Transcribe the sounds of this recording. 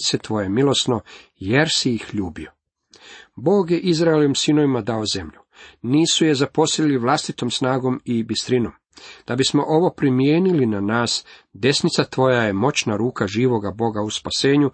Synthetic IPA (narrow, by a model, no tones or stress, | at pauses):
t̪set̪ʋo̞jemilo̞sno̞ | jeɾsijixʎuːbio | bo̞ːɡjeʔizɾaeloʋimsinoʋimad̪aoze̞mʎu | niːsuje̞zapo̞siliʋlˠast̪it̪o̞msnaːɡo̞mibist̪ɾinom | d̪̥abismo̞ʔo̞ʋo̞pɾimijeːnilinanaːsd̪e̞snit̪sat̪ʋo̞jaje̞mo̞t͡ɕnaɾuːkaʒiːʋo̞ɡabo̞ɡauspase̞ːɲu